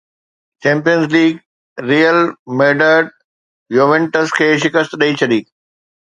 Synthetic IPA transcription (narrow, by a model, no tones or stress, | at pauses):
t͡ɕɛ̃ːmpijənzliːɡ | ɾiːjəlmeːɖəɖ | joːʋẽɳʈəskʰeːʃɪkəst̪ɗɐit͡ɕʰɐɗiː